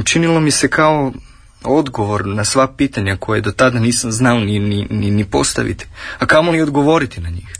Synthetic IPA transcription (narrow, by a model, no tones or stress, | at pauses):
t͡ʃinilˠo̞misekʰao | o̞d̪ɡoʋo̞ɾnasʋapiːt̪aɲakʰo̞jed̪o̞t̪ad̪aniːsamznaoninininipo̞st̪a̰ʋḭt̪i̥akamolio̞d̪ɡo̞ʋo̞ɾit̪inaɲiːx